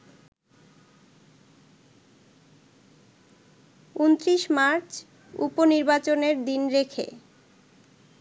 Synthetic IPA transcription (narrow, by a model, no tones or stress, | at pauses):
unt̪ɾiʃmaɾt͡ɕ | ṵponiɾbat͡ɕoneɾd̪inɾekʰḛ